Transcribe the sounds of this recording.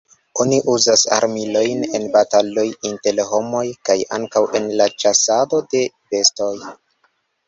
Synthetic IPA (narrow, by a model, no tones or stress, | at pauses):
o̞niʔuzasa̰ɾmilo̞jne̞nbatalo̞jinte̞lɦo̞mo̞jkaja̰ŋkawʔe̞nlat͡ʃasado̞de̞ | be̞sto̞j